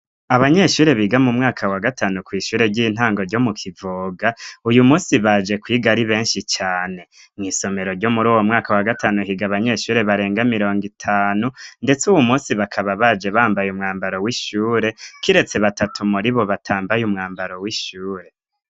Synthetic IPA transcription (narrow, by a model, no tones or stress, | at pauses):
aβaɲe̞ʃuːɾe̞βiɡamumŋaːkʰawaɡatʰaːnukwiːʃuːɾe̞ɾɟiːn̥haːŋɡo̞ɾɟo̞mukʰivoːɡaujumuːsiβad͡ʒe̞kwiːɡaɾiβe̞ːnʃit͡ʃaːne̞ | ŋŋiːso̞me̞ɾoɾɟo̞muɾuːwo̞mŋaːkawaɡatʰaːnuɦiɡaβaɲe̞ʃuːɾe̞βaɾe̞ːŋɡamiɾo̞ːŋɡitʰaːnunde̞t͡suwumuːnsiβakʰaβaβad͡ʒe̞βaːmbajumŋaːmbaɾo̞wiʃuːɾe̞kiɾe̞t͡se̞βatatʰumuɾiβo̞βatʰaːmbajumŋaːmbaɾo̞wiʃuːɾe̞